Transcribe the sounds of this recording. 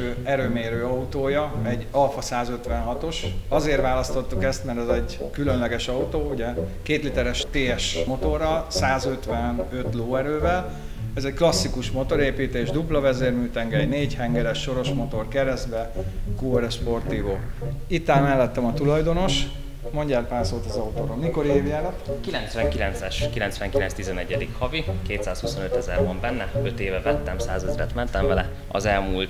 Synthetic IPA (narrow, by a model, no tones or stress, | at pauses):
øːɛɾøːmeːɾøːɒut̪oːjɒɛɟːɒlfɒsaːzøt̪ʋɛnɦɒt̪o̞ʃɒzeːrʋaːlɒst̪o̞t̪ːukɛst̪mɛɾt̪ɛzɛɟ | kylø̞nlɛɡɛʃɒut̪oːuɟɛkeːt̪lit̪ɛɾɛʃt̪eːɛʃmo̞t̪o̞rːɒlsaːzø̞t̪ʋɛnøt̪loːɛɾøːvɛl | ɛzɛcklɒsːikuʃmo̞t̪o̞ɾeːpiːt̪eːʒd̪uplɒvɛzeːrmyːt̪ɛŋɡɛɛɟneːɟhɛŋɡɛɾɛʃːo̞ɾo̞ʃmo̞t̪o̞rkɛɾɛzd̪bɛkuːɾɛʃpo̞rt̪ivoit̪ːaːnmɛlːɛt̪ːɛmɒt̪ulɒjd̪o̞no̞ʃ | mo̞ɲɟaːrpaːsoːt̪ɒzɒut̪oːɾonniko̞ɾieːvjaːlɛt̪kilɛnt̪sʋɛŋkilɛnt̪sɛʃkilɛnt̪sʋɛŋkilɛnst̪izɛnɛɟːɛd̪ikhɒvikeːt̪saːshuso̞nøt̪ɛzɛ̰ɾvɒmbɛnːɛø̞t̪eːvɛvɛt̪ːɛmsaːzɛzɾɛt̪mɛnt̪ɛɱvɛlɛ | ɒ̰zɛlmuːlt̪